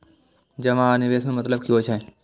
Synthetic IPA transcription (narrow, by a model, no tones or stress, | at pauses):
d͡ʒɐʋãnɪʋeːsmẽmɐt̪ləbkjõːt͡ʃʰɛ̃